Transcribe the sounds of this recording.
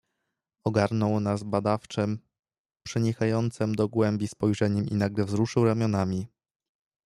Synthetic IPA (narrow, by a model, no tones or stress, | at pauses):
ɔɡaɾnɔwnazbad̪aft͡ʂɛm | pʂɘɲixajɔnt̪sɘmd̪ɔɡwɛmbʲispɔjʐɛɲɛmḭnaɡlɛvzɾuʂɘwɾamʲjɔnamʲi